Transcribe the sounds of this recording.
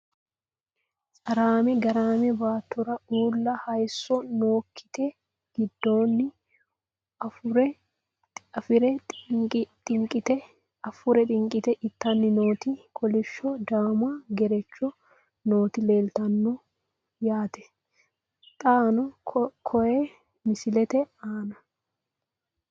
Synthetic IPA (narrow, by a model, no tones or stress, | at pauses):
sʼɐɾaːmɛɡɐɾaːmɛbaːt̪ːʊɾɐuːlːɐhɐjsːɔnoːkʰːɪ̥t̪ɛ | ɡ̥ɪd̪ːo̞ːnːɪ | ɐfʊɾɛ | ɐfɪɾɛ | t̪ʼɪŋkʼɪt̪ɛ | ɐfʊɾɛt̪ʼɪŋkʼɪt̪ɛʔɪt̪ːɐnːɪnoːt̪ɪkʰɔlɪʃːɔd̪aːmaɡɛɾɛt͡ʃːɔ | no̞ːt̪ɪle̞ːlt̪ɐnːɔ | jaːt̪ɛ̥ | t̪ʼaːnɔkʰɔjɛ | mɪsɪlɛt̪ɛaːnɐ